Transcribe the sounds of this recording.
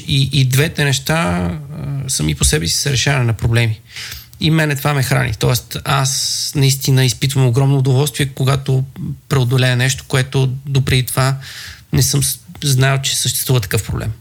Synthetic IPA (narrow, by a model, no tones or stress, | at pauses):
iʔid̪vɛt̪ɛnɛʃt̪a | səmiposɛbɛsi̥səɾɛʃavɐnɛnɐpɾoblɛmi | imɛnɛt̪ovamɛxɾa̰nḭt̪ɔɛst̪asnɐist̪inəispit̪vəmoɡɾɔmnoːd̪ovɔlˠst̪viɛkoɡat̪opɾɛod̪olɛənɛʃt̪o̥koɛt̪od̪opɾɛd̪it̪ovanɛsɤmznalˠt͡ʃɛ̥səʃt̪ɛst̪vuvət̪ɐ̥kɤfpɾo̰blɛ̰m